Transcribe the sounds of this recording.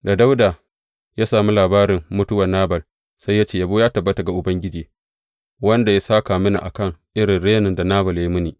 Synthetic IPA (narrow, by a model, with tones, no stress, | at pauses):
da˨da˦wdaː˨ | jaː˦saː˨mi˦laː˨baː˦ɾɪ˨mːʊ˦tʊ˦wɐ˨naː˦bɐ˨l | sa˦jːa˦t͡ʃeː˨ja˨boː˦jaː˦tɐ˨bːɐ˦ta˨ɡa˨ʔʊ˨bɐ˦ŋɡʲɪ˦d͡ʒiː˨ | wɐ˦nda˨ja˦saː˦ka˨mɪ˦na̰˨ʔa˨kɐ˦ŋʔɪ˦ɾɪ˨nɽeː˦nɪ˨nda˨naː˦bɐ˨lja˦i˦mʊ˦niː˨ʔ